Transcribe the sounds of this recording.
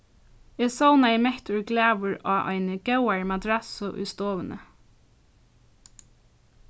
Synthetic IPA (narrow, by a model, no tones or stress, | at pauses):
ɪːsɔwnaɪmɛht̪ʊɹɡlæːʋʊɹaːʔɔ̰ɪnɡ̥awaɹmad̪ɾasʊʔʊ̰jst̪oːʋənə̰